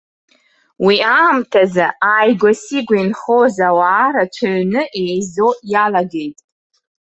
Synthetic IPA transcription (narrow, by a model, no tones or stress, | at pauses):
wiaːmtʰazaajɡʷasiɡʷainχozawaːɾat͡ʃʷʰaɥnɨʔejzojalaɡe̞jtʼ